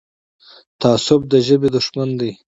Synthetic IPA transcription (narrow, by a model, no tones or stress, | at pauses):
t̪aːsʊb̚d̪əʒəbed̪ʊʂmand̪ij